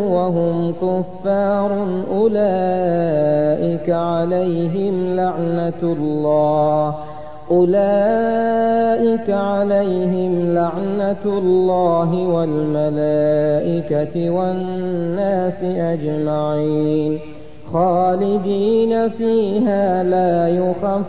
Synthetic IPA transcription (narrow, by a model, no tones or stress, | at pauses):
waɦʊmkʊfːaːɾˤʊʔʊlaː | ʔɪkaʕalajɦɪmlaʕnalːɑːh | ʔʊlaː | ʔɪkaʕalajɦɪmlaʕnalːɑːɦɪwalmalaːʔɪkaɪwanːaːsɪʔad͡ʒmaʕin | xɑːlɪd̪iːnafiːɦaːlaːjʊxa